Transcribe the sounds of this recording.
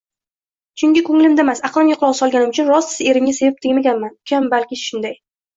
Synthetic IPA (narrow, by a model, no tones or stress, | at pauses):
t͡ʃʰʊŋɡʲɪkʰoŋlɪmd̪amasaqlˠɪmjʊqʰlˠɒʁsɒlˠɡʲanɪmʊt͡ʃʰʊnɾɒsɪ̥ze̞ɾɪŋʲase̞vɪp̚t̪ʰɪŋmaɡʲanmanʊkʲʰambalkʲɪʃʊnd̪aj